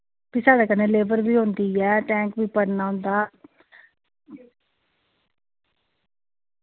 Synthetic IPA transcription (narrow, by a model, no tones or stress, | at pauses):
biːsaːɖaːkəneːleːbəɾbiːɦʊ̃ːnd̪iːɛːʈɛ̃ːŋkbiːpəɾnaːɦʊ̃nd̪aː